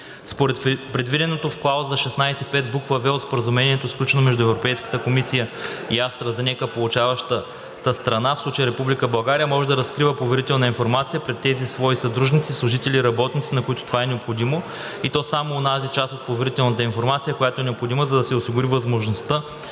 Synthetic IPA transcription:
spoɾɛt̪pɾɛd̪vid̪ɛnot̪ofklˠawzɐʃɛsnajsɛpɛt̪̚bukvəvɛot̪spoɾəzumɛniɛt̪osklʲut͡ʃɛnomɛʒd̪ʊɛvɾopɛjskə̥t̪əkomisijəiafst̪ɾəzɐnʲɛkəpolˠut͡ʃavəʃt̪ə | t̪əst̪ɾɐnafslˠut͡ʃəjəɾɛpublikəbɐlˠɡaɾijəmɔʒɛd̪ɐɾɐskɾivəpovɛɾit̪ɛlˠnəinfoɾmat̪sijəpɾɛt̪ːɛzisvɔisɐd̪ɾuʒnit̪sislˠʊʒit̪ɛliːɾɐbɔt̪nit̪sinɐkoit̪ʊ̥t̪ovaɛnɛopxod̪imo | it̪ɔsamoːnazit͡ʃast̪ot̪̚povɛɾit̪ɛlˠnət̪̬əinfoɾmat̪sijəkojat̪oɛnɛopxod̪iməzɐd̪ɐsɛʊsiɡʊɾivɐzmoʒnost̪ə

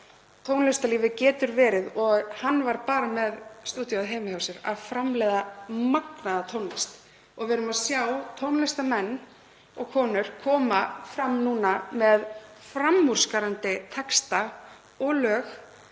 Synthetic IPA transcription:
t̪ʰownlɛst̪aliːvɪcɛːt̪ʏɾvɛːɾɪðɔɣhanːvaɾpaːɾamɛðst̪uːt̪jɔaðɦejmɪhawsɪɾa̰ðfɾamlɛjðamaknaðat̪ʰownlɛst̪ | ɔɣvɛɾʏmaðsjawt̪ʰownlɛst̪amɛnː | ɔɣkʰɔːnʏɾ̥kʰɔːmafɾamːnuːnamɛðfɾamːur̥skaɾant̪ɪt̪ʰɛkst̪a | ɔlœːx

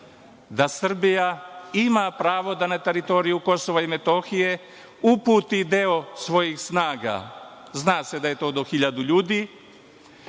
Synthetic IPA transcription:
d̪asr̩bijaimapɾaːʋo̞d̪anat̪e̞ɾit̪o̞ɾijuko̞so̞ʋaime̞t̪o̞xije̞ | upuːt̪id̪eo̞sʋo̞jixsnaːɡa̰ | znaːse̞d̪aje̞t̪o̞ːd̪o̞xiʎad̪uʎuːd̪iː

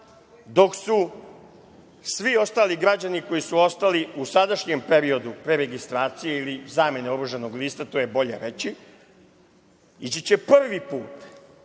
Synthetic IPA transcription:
d̪o̞ksu | sʋio̞st̪aːliɡɾad͡ʑaniko̞jisuo̞st̪aliusad̪aʃɲempe̞ɾio̞d̪upɾe̞ɾeɡist̪ɾaːt̪sijeilizaːme̞neoɾuʒanoɡliːst̪at̪o̞jebo̞ʎḛɾe̞t͡ɕi | it͡ɕit͡ɕepr̩ʋipuːt̪

